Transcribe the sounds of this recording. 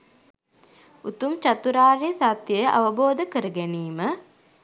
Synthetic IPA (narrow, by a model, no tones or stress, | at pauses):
ut̪umt͡ʃat̪uɾaːɾesat̪jəjəʔa̰ʋəboːd̪əkəɾəɡæniːmə